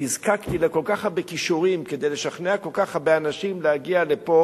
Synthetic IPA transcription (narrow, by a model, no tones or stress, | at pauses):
izkakt̪ilako̞lkaχhabekiʃuʁimke̞d̪ejle̞ʃaχneakolkaχhabeanaʃimlehaɡiale̞po̞